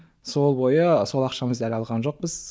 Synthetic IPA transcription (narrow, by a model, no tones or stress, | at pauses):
so̞lˠbo̞jəso̞lˠɑqʃɑməzd̪ælɑlˠʁɑnʒo̞q̚bəz̥